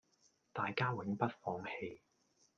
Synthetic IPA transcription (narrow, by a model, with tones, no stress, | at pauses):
t̪aː˨jkaː˥wɪ˨˥ŋpɐ˥t̚fɔː˧ŋhe˧j